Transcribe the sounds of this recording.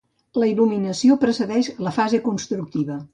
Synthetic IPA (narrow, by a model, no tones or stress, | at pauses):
ləiluminəsiopɾəsəðɛʃləfazekunst̪ɾuk̚t̪iβə